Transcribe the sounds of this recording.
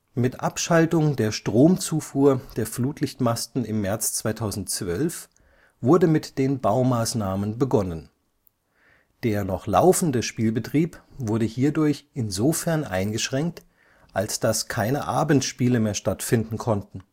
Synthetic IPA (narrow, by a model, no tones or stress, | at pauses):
mɪtʔapʃaltʊŋdeːɐʃtʁ̥oːmt͡suːfuːɐd̥eːɐfluːtʰlɪçtmastn̩ɪmːɛɐt͡st͡sv̥aɪtʰaʊzn̩tt͡sv̥œlf | v̥ʊɐdəmɪtd̥eːnbaʊmaːsnaːmənbəɡɔnən | d̥eːɐnɔχla̰ʊfn̩dəʃpiːlbətʁ̥iːpvʊɐɾəhiːɐdʊɐçʔɪnzofɛɐnʔa̰ɪnɡəʃʁ̥ɛŋk̚t | ʔalsd̥askʰaɪnəʔaːbn̩tʃpiːləmeːɐʃtatfɪndn̩kʰɔntn̩